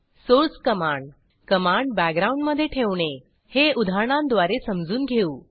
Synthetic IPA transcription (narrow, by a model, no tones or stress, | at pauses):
soɾskəmaɳɖ | kəmaɳɖbækɡ̚ɡɾaũɳɖməd̪ʱːjeʈʰeʋɳ̃e | heud̪ʱaɳ̃ãnd̪ʋaɾesəmd͡zuːnɡʱeuː